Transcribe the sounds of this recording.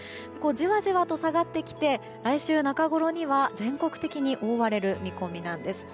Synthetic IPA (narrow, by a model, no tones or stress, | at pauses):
d̪eko̞d͡ʑiβaʑiβat̪o̞saɡat̪ːe̞kʲi̥t̪e̞ | ɾaiɕɨːnakaɡo̞ɾo̞ɲ̟iβazẽ̞ŋko̞kɯ̟t̪e̞kʲiɲ̟iʔo̞ːβaɾe̞ɾɯ̟mʲiko̞mʲinãnd̪e̞sɨ̥